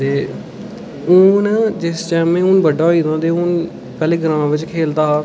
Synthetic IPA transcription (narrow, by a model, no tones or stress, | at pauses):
t̪eː | uːnd͡ʒɪst͡ʃɛːmẽːʊːnbəɖaːɦoiːnãːd̪eːʊːn | pɛːleːɡəɾãːʋɪt͡ʃkʰeːld̪aːɦaː